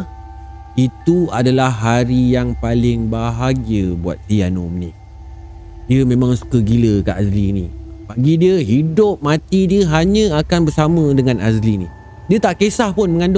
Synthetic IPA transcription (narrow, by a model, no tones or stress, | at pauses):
it̪uadalahːaɾijaŋpalɪŋbaɦaɡiəbua̰t̪̚sianomənɪ̰ʔ̚ | diəmẽmãŋsu̥kəɡiləkaʔazlinḭ̃baɡidiəɦidʊp̚mãt̪idiəɦaɲə̃akanbərsamə̃dəŋãnazlinḭ | diət̪aʔkesahpʊnmə̃ŋandʊ